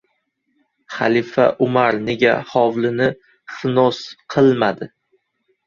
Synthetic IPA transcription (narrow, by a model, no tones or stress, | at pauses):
χa̰lˠifaʔʊmaɾne̞ɡʲahɒwlɪnɪ | χɨnɒsqʰɨlˠmad̪ɪ